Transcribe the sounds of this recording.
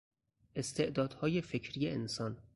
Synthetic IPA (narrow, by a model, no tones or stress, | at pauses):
ʔe̞st̪ʰe̞ʔd̪ɒːd̪̥hɒːjefe̞cʰɾijeensɒːn